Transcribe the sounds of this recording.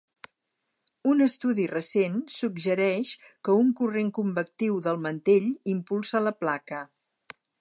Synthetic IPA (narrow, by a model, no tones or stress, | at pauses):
unəst̪uðirəsensuɡʒəɾɛʃ | kəuŋkureŋkumbək̚t̪iwðəlˠmənt̪eʎimpulˠsələplakə